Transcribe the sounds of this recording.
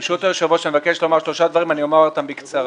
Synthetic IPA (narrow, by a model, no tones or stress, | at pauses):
ʃut̪eʁʃavuʃamevakeʃlomaʁʃlo̞ʃad̪vaʁimaniomaʁat̪ambikt͡saʁ